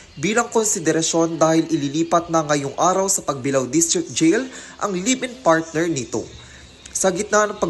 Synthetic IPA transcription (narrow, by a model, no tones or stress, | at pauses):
biːlɐŋkonsɪd̪ɛɾɐʃo̞nd̪aːhɪlʔɪliliːpɐt̪̚nɐŋːɐjoŋʔaːɾɐwsɐpɐɡ̚bɪlawd̪ɪst̪ɾɪk̚d͡ʒɛjlʔɐ̰ŋliːbɪnpaɹt̪̚nɛɹnɪt̪o̞̰ | sɐhɐɡɪt̪nanɐŋpɐ